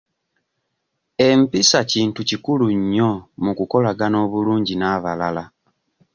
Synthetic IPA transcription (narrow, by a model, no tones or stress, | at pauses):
e̞mpisaciːntucikuluɲːo̞mukuko̞laɡano̞ːβuluːɲɟinaːβalala